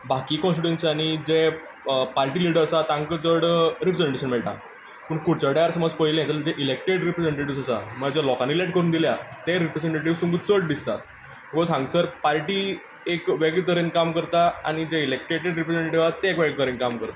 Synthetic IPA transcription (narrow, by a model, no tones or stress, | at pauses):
bʱakiːkɔ̃nsiʈẽnsañid͡ʑe | paɾʈiːliɽəɾəsat̪ãŋkət͡səɽɾipɾed͡zeɳʈeɕənmɛɭʈa̰ | pəɳkuɽt͡ɕaɖajaɾsəməd͡zpəɦileat͡səld͡ʑeʔilek̚ʈeɽɾipɾed͡zẽɳʈeʈiʋsəsaməɡd͡ʑelɔkãnːileʈ̚kəɾuːnd̪iljat̪eɾipɾed͡zẽɳʈeʈiʋsumɡət͡səɽd̪ist̪at̪ | məkɔɦãŋɡsəɾpaɾʈiː | ekʋeɡt̪əɾenkamkəɾt̪aa̰ɽ̃id͡ʑeilek̚ʈeʈeɖɾipɾed͡zẽɳʈeʈiʋat̪ːeekʋeɡt̪əɾenkamkəɾt̪a